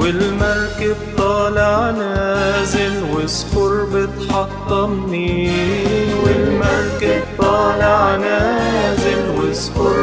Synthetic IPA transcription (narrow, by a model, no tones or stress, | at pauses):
wɪlmɑɾˤkɪbt̪ˤɑːlɪʕnaːzɪlwɪsfʊɾˤbɪt̪ħɑt̪ˤːɑmni | wɪlmɑɾˤkɪbt̪ˤɑːlɪʕnazɪlwɪsfʊɾ